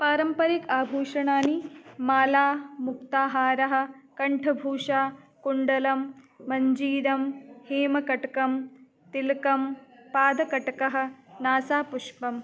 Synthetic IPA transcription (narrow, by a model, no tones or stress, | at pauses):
paːɾɐmpɐɾikaːbʱuːʂɐɳaːnimaːlaːmuk̚t̪aːɦaːɾɐɦɐ̆kɐɳʈʰɐbʱuːʂaːkuɳɖɐlɐmː | ɐɲd͡ʒiːɾɐmheːmɐkɐʈɐkɐm | t̪ilkɐmpaːd̪ɐkɐʈɐkɐɦɐ̆naːsaːpuʂpɐm